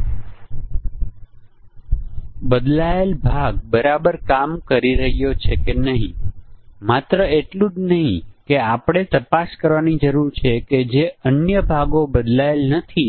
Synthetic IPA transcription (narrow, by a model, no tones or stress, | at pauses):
bəd̪laelbʱaɡ̚bəɾabəɾkamkəɾiɾəɦijot͡ʃʰekenəɦḭ̃mat̪ɾəeʈlũd͡ʒnəɦĩkeapɽ̃et̪əpaskəɾʋanid͡ʒəɾuɾt͡ʃʰeked͡ʒeənjəbʱaɡobəd̪laelnət̪ʰi